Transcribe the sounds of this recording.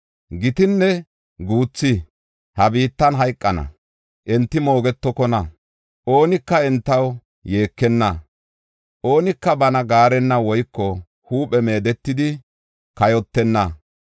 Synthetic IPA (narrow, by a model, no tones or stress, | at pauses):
ɡɪt̪ɪnːɛ | ɡuːt͡sːɪ | hɐbiːt̪ːɐnɦɐjkʼːɐnɐ̰ | ʔɛnt̪ːɪmo̞ːɡɛt̪ːɔkɔnɐ | ʔo̞ːnɪkːɐɛnt̪ːɐw | je̞ːkːɛnːɐ | ʔo̞ːnɪkːɐbɐnɐɡaːɾɛnːɐwɔjkːɔ | huːpʼɛme̞ːd̪ɛt̪ːɪd̪ɪ | kɐjɔt̪ːɛnːɐ